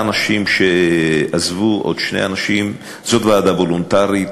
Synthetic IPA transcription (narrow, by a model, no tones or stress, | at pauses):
naʃimʃeazvuʔo̰d̪ʃne̞̰anaʃim | zo̞t̪vaːd̪avolont̪aʁi